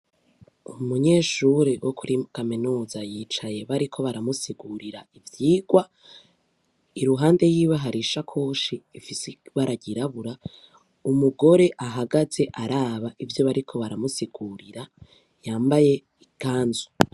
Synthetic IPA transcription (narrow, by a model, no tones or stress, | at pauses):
umuɲe̞ːʃuɾewʔokʰuɾiukaminuːzajiːt͡ʃaje̞βaɾikʰo̞βaɾamusiɡ̥uɾiɾaivjiːɡwa | iɾuɦaːnde̞jiːβaɦaɾiʃakʰo̞ːʃiːfisiβaɾaɟiɾaβuɾa | umuɡo̞ɾe̞ʔaɦaɡaze̞ʔaɾaːβaʔivjo̞βaɾikʰo̞βaɾamusiɡ̥uɾiɾa | jaːmbaje̞ | iɡ̥aːnzu